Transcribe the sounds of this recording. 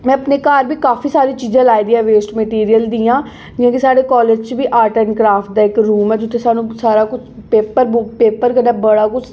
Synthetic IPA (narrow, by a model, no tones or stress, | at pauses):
mɛ̃ːəpneːkaːɾbiːkaːfiːsaːɾiːt͡ʃiːzãːlaːid̪iːãːʋeːsʈmeʈiːɾijəld̪iːãː | d͡ʒɪãːkisaːɽeːkɔːleːd͡ʒt͡ʃʋiːʔaːʈəɪnkɾaːfʈ̚d̪aːɪkɾuːmɛːd͡ʒʊt̪ʰːeːsaːnũːsaːɾaːkʊt͡ʃʰpeːpəɾbpeːpəɾkəɖaːbəɽaːkʊt͡ʃʰ